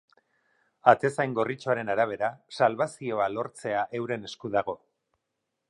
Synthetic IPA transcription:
at̪e̞sajŋɡo̞rit͡ʃoaɾe̞naɾaβ̞e̞ɾasalβasio̞alo̞ɾt͡se̞aʔe̞wɾe̞ne̞skuðaɣ̞o̞

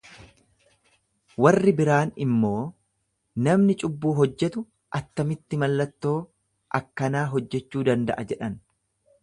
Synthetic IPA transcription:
wɐrːɪbɪɾaːnɪmːo̞ː | nɐmnɪt͡ʃʼʊbːuːɦɔd͡ʒːɛt̪ʊ | ʔɐt̪ːɐmɪt̪ːɪmɐlːɐt̪ːo̞ː | ʔɐkːɐnaːɦɔd͡ʒːɛt͡ʃːuːd̪ɐnd̪ɐ̰ʔɐd͡ʒɛᶑɐn

